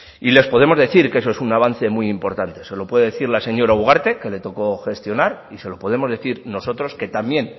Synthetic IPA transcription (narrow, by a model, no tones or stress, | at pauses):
ile̞spo̞ðe̞mozðe̞θiɾkesoesunaβ̞an̟θe̞mujimpo̞ɾt̪ant̪e̞se̞lo̞pwe̞ðeðeθiɾlase̞ɲo̞ɾauɣ̞aɾt̪e̞ke̞le̞t̪o̞ko̞xe̞st̪jo̞naɾise̞lo̞po̞ð̞e̞mo̞zðe̞θiɾno̞so̞t̪ɾo̞ske̞t̪amje̞n